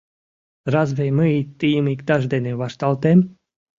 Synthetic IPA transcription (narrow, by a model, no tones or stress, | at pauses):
ɾazvɛjmɨiːt̪ːijmikd̪aʒd̪ʲɛnʲevaʃt̪alˠt̪ɛm